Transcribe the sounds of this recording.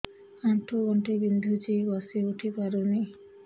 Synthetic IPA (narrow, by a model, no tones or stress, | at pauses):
aʈʰoɡɔɳʈebind̪ʱud͡ʒiɡɔseuʈʰipaɾoni